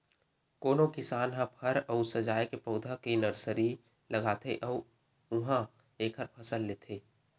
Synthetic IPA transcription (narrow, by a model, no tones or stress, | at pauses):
koːnokɪsaːnɦãpʰəɾɔʊsəd͡ʒaːjkepəʊd̪ʱãkinəɾsəɾi | ləɡaːt̪ʰeʔɔː | ʊɦã | eːkʰəɾpʰɐsəlːeːt̪ʰeː